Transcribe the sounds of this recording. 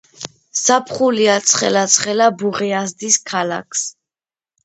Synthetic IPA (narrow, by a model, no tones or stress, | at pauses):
sapʰχuliat̪sʰχɛ̰lat̪sʰχɛlabuʁiazd̪iskʰala̰kʰs